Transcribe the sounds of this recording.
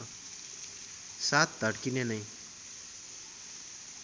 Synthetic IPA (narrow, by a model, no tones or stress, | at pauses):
sat̪̚d̪ʱʌɽkinenʌj